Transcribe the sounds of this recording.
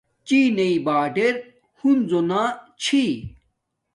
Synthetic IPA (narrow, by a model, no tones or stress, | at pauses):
t͡ɕiːneibaːɖeɾ | hunzonaːt͡ɕʰi